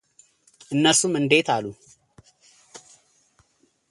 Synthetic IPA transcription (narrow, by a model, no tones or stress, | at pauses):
ʔɨnːəsumɨnd̪e̞t̪ʰalu